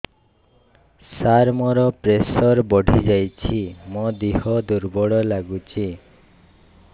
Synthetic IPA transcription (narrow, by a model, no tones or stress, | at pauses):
saɾmɔɾɔpɾesɔɾbɔɽʱid͡ʒajt͡ʃʰimɔd̪iɦɔd̪uɾbɔɽɔlaɡut͡ʃʰi